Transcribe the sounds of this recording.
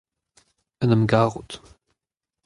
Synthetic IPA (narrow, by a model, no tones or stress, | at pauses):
ənəmɡaʁut